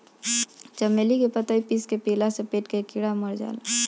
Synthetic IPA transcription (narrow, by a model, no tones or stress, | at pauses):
t͡ʃɐmelikepət̪aipiskepiːlasepeːʈkekɪɽaməɾd͡ʒa̰ːla